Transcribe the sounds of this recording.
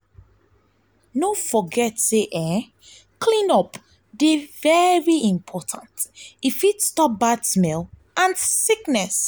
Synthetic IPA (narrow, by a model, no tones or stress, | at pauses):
nofɔɡɛtseʔɛ̃ | kʰlĩnɔp | devɛɹiĩmpʰɔtʰãntifitstɔp̚badsmɛl | ãnsiknɛs